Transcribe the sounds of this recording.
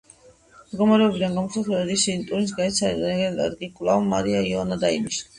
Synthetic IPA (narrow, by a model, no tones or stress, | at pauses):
mɡɔmaɾɛɔbid̪anɡamɔsat̪ʰɾɛbɛɾiʃiːnt̪ʼuɾins̬ɡaɛt̪sʰaɾɛd̪ɛɡɛnlɛ̰ɾɡikʼvlˠamːa̰ɾiaiɔanad̪aimiʃ